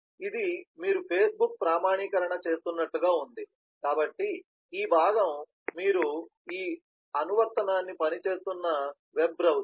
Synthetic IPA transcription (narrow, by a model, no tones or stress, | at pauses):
id̪imiːɾupʰe̞ːsbuk̚pɾaːmaːɳiːkɐɾɐɳɐt͡ʃe̞ːst̪unːɐʈːuɡaːund̪i | kaːbɐʈːi | iːbʱaːɡɐmː | iːɾu | iː | ɐnuʋɐɾt̪ɐnaːnːipɐnit͡ʃe̞ːst̪unːɐ | ʋebɾɐw